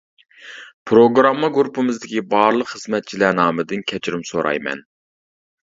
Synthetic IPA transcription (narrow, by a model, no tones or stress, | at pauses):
pʰɾoɡɾɑmːɑɡuɾpʰɨmɨzd̪ɪkʲibɑːɾlˠəqχəzmɛt̪̚t͡ʃʰilæɾnɑːmɨd̪ɨnkʲʰɛt͡ʃʰɾɪmsoɾʔɑ̰jmɛ̰n